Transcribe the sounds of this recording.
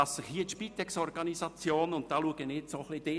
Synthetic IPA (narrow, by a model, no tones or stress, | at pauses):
ɑsːɪχhiːət̪ʃpit̪ɛksɔɾɡ̥ɑnisɑt͡sjoːnʊnt̚d̥ɑːluəɡənetsoːχlid̥eː